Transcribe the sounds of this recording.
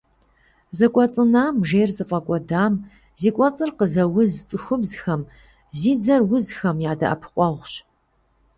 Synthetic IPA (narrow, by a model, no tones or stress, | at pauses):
zɨkʷʼɔt͡sʼɨnaːmʒeːrzɨfʼɐkʷʼɔdaːm | ziːkʷʼɔt͡sʼɨrqəzɐwʊzt͡sʼɨxʷʊbzxɐm | ziːd͡zɐrwʊzxɐmjaːdɐ̰ʔɐ̰pʰqʷʼɔʁʷɕ